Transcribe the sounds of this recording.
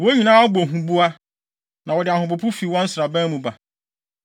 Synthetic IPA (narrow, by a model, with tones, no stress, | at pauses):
wo˦ɲĩ˨nãː˦bo˨ɦũ˨bu˦a˦ | nã˨wɔ˨dɪ˨a˨hʊ̃˨p̬ʊ˨pʰʊ˦fi˨wɔ̃˦n̩˦sɾa˨bã˦mũ˨ba˨